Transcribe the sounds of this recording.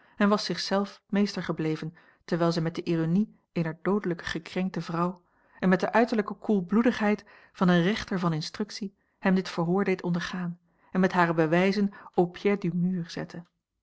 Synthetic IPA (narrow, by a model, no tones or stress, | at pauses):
ɛnʋɑsɪχsɛlˠfmejstəɹχəblejvən | təɹʋɛɪlˠzɛjmɛt̚dəʔironi | ejnəɹdowdələkə̥χəkrɛŋk̚təvrɑw | ɛnmɛt̚dəʔœɥtəɹləkəkulˠbludəχɦɛjt | fɑnənrɛχtəɹvɑnɪnstrɵksi | hɛmdɪtfəɹɦʊːɹdejtɔndəɹχaːn | ɛnmɛtɦaːɾəbəʋɛjzənopʰjɛdymyːrz̥ɛ̰tʰə